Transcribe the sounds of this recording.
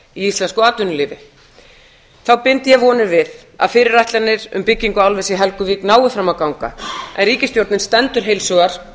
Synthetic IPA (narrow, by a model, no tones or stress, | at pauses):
iist̪lɛnskɔaːt̪ʏnʏlɪːvɪ | θawpɪnt̪jɛvɔːnɪɾvɪð | a̰ðfɪːɾɪɾːajht̪lanɪɾʏ̰mpɪcːiŋkʏawlvɛsɪɦɛlkʏviːknaːwʏfɾamːawkawŋka̰ʔɛ̰nriːcɪst̪jowɾt̪nɪnst̪ɛnt̪ʏɾ̥ɦejlsɔɣaɾ̥